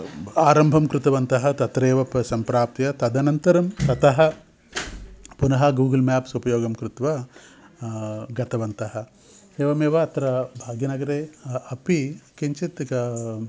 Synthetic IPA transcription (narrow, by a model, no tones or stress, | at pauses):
aːɾɐmbʱɐmkɾut̪ɐʋɐnt̪ɐɦɐt̪ɐt̪ɾeːʋɐpsɐmpɾaːp̚t̪ijɐt̪ɐd̪ɐnɐnt̪ɐɾɐmt̪ɐt̪ɐɦɐ̆ | punɐɦɐɡuːɡɐlmaːpsupɐjoːɡɐmkɾut̪ʋɐ | ɡɐt̪ɐʋɐnt̪ɐɦɐ̆ | eːʋɐmeːʋɐːt̪ɾɐbʱaːɡjɐnɐɡɐɾeːɐpikiɲt͡ʃit̪